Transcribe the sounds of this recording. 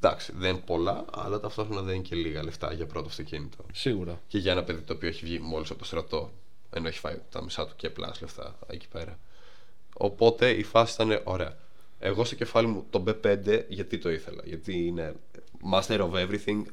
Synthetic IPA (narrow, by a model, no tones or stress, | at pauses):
d̪ɐksi̥ðenpo̞lɐ | ɐ̰lɐt̪ɐft̪o̞xɾonɐðeninceliɣɐleft̪ɐ̰ʝɐpɾo̞t̪oɐft̪ocinit̪ʰo̞siɣuɾɐceʝɐenɐpe̞ðit̪oːpio̞eçivʝimo̞lisɐpot̪ost̪ɾɐt̪o̞ | eno̞eçi̥fɐjt̪ɐ̰misɐt̪u̥ceplɐ̰sleft̪ɐ̰ | ḛci̥pe̞ɾɐ | o̞̰po̞t̪e̞ifɐsisi̥t̪ɐne̞ʔo̞ɾe̞ɐ | eɣo̞st̪oce̞fɐlimut̪o̞be̞pe̞nd̪e̞ʝɐt̪it̪o̞iθe̞lɐ̰ʝɐt̪iine | mɐst̪eɾovevɾiθiŋɡ